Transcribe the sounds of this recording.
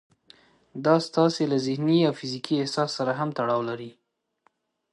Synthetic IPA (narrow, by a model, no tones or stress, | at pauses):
d̪ɑst̪ɑselazɪhniawfizikʰiɪhsɑsːaɾaɦamt̪aɽɑwlaɾi